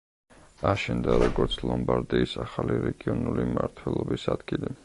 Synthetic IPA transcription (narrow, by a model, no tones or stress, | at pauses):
aʃɛnd̪aɾɔɡɔɾt̪sʰlˠɔmbaɾd̪iːsaχaliɾɛɡiɔnulimaɾt̪ʰwɛlˠɔbisad̪̥ɡili